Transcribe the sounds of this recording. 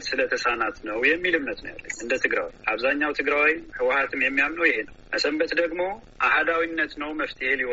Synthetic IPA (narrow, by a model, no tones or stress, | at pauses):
t̪sɨlət̪ʰəsanat̪nəwjɛmːilɨmnət̪nəwja̰lːə̰ɲːɨnd̪ət̪ʰɨɡɾa̰wḭʔaβzaɲːawt̪ʰɨɡɾawijhɨwahat̪ʰɨmjɛmːijamnəwjɪɦe̞nəwwʔəsəmbət̪d̪əɡmo̞ʔahad̪awinːət̪nəwməft̪ʰiheliw